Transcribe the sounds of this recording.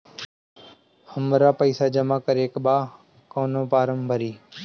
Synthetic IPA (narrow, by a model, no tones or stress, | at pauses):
həmɾaːpəɪsaːd͡ʒəmaːkəɾeːkɓaː | koːnõːpaːɾəmbʱəɾiː